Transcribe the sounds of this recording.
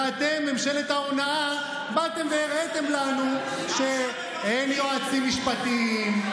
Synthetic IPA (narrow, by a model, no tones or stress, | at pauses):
at̪e̞memʃelet̪aonaa | bat̪e̞mvejeʁet̪e̞mlanu | ʃe | enjoat͡simiʃpat̪im